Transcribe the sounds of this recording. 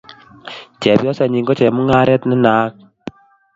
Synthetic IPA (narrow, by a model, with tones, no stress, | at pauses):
t͡ʃɛ˨bjɔ˦sa˨ɲi˨ŋɡɔ˦t͡ʃɛ˨mu˦ŋa˦ɾɛ˦tni˦naː˦k̚